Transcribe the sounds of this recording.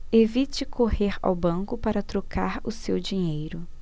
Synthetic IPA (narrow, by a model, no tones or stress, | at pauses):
evit͡ʃɪkʰoheɾa̰wbɐ̃kʊpaɾɐt̪ɾokʰaɾʊsewd͡ʒiɲejɾʊ